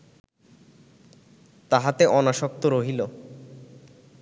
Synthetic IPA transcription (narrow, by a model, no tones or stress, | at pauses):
t̪aɦat̪eʔɔnaʃɔk̚t̪oɾoɦilo